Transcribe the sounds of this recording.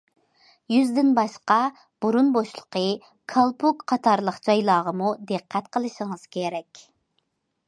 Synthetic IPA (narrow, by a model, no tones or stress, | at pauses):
jyzd̪ɪnbɑʃqɑ | b̥uɾunboʃlˠə̥qʰə | kʰɑlˠpʰukqʰɑt̪ʰɑɾlˠəχd͡ʒɑjlˠɑːʁəmud̪ɨqʰːɛt̪qʰəlˠɨʃiŋɨz̥kʲʰeɾɛkʲ